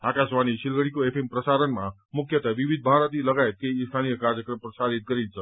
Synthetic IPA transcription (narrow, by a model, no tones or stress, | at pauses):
akasʋaniʃilɡəɽikoepʰempɾəsaɾənmã | mukʰjət̪aʋiʋid̪̚ʱbʱaɾət̪iləɡaet̪̚keist̪ʰanijəkaɾjəkɾəmpɾəsaɾit̪̚ɡʌɾint͡sʰʌ